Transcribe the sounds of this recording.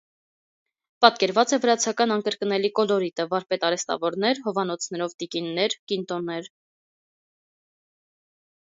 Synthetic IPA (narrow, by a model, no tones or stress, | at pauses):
pɑt̪kɛɾvɑt͡sɛvəɾɑt͡sʰɑkɑnɑnkəɾkənɛlikɔlɔɾit̪əvɑɾpɛt̪ɑɾɛst̪ɑ̰vɔɾn̪ɛɾɦɔvɑn̪ɔt͡sʰnɛɾɔvt̪ikinːɛɾkint̪ɔnːɛɾ